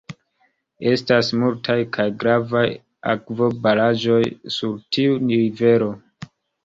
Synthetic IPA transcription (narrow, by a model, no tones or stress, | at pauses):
e̞stasmultʰajkʰajɡɾavaj | a̰kvo̞balad͡ʒo̞jsuɾtʰiuniɾive̞ɾo̞